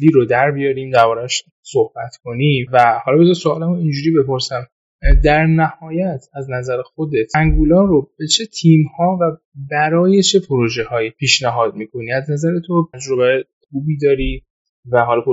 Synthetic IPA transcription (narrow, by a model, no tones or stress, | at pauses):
liːɾod̪æɾbijɒːɾiːmd̪æɾbɒːɾæʃ | sohb̥æt̪ʰkʰo̞nivæhɒlɒbet̪ɔsoɒːlæmoind͡ʒuːɾiːbe̞po̞ɾsæm | d̪æɾnæhɒːjæt̪ʰæznæzæɾexo̞d̪e̞t̪ʰæŋɡuːlɒːɾob̥et͡ʃʰe̞t̪ʰiːmhɒːvæ | bæɾɒːje̞t͡ʃʰe̞pʰoɾo̞ʒehɒːjipʰiːʃnæɦɒːd̪̚miːkʰo̞niæznæzæɾe̞t̪ʰoæd͡ʒɾo̞βæjexuːbiːd̪ɒːɾi | væɦɒːlɒp